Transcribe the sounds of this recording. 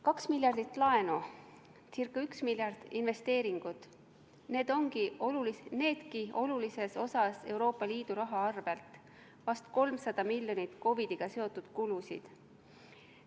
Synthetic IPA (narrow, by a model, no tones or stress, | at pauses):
kɑksmilʲjɑrd̪̥it̪ːˑlɑe̞no | t͡sirkːˑɑyksmilʲjɑrd̪̥inve̞st̪e̞ːɾiŋɡ̥ud̪̥ | ne̞ːd̪̥o̞ŋɡ̥iʔo̞lulisne̞ːd̪̥kio̞lulise̞so̞sɑse̞wɾo̞ːpːˑɑliːd̪̥uɾɑɦɑɑrv̥elt̪ˑ | vɑst̪ko̞lmsɑd̪̥ɑmilʲjo̞nit̪ˑko̞vid̪̥iɡ̥ɑse̞o̞t̪ːˑud̪̥kulusḭd̪̥